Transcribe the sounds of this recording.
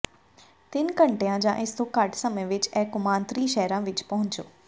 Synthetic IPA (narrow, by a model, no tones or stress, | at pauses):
t̪ɪnkɐ̃ɳʈejãd͡ʑã̰ːʔɪst̪ʰokaʈsəməʋɪt͡ɕɛːkʊmãːnt̪ɾiːʃɛɦɾãʋɪt͡ʃpɐɦʊ̃ɲt͡ʃjoː